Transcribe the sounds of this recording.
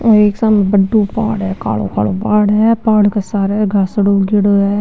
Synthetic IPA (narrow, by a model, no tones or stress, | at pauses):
oeːksamẽbəɖũːpa̰ːɽɦɛːka̰ːlo̰ːkʰa̰ːloːpaːɽɦɛːpaːɽkesaːɾɛɡʱasəɽoːɡɪɽoɦɛː